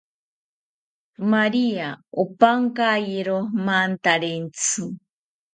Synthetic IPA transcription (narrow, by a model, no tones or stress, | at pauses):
maɾiaopaŋkajiɾomant̪aɾent͡sʰɨ